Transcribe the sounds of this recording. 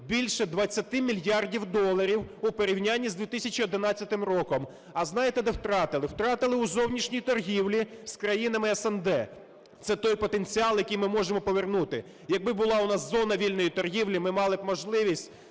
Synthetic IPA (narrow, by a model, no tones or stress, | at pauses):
bʲilʲʃɛd̪ʋɐt͡sʲːɐt̪ɪmʲilʲjɑrdʲiwd̪ɔlˠːɐɾʲiwupɔɾʲiwnʲanʲːizd̪ʲit̪ɪsʲɐt͡ʃiɔd̪ɪnɑt͡sʲːɐt̪ɪmrɔkɔm | ɐznɑjet̪ɛd̪ɛwt̪ɾɑt̪ɪlˠɪwt̪ɾɑt̪ɪlˠɪuzɔwnʲiʃnʲijt̪ɔrɦʲiwlʲiskɾɐjinɐmɪɛsɛnd̪ɛ | t̪sɛt̪ɔjpɔt̪enʲt͡sʲiɑlˠjɐkʲijmɪmɔʒemɔpɔʋernut̪ɪ | jɐk̚bɪbʊlˠɑʊnɑszɔnɐʋʲilʲnɔjit̪ɔrɦiwlʲimɪmɑlˠɪmɔʒlˠɪʋʲisʲtʲ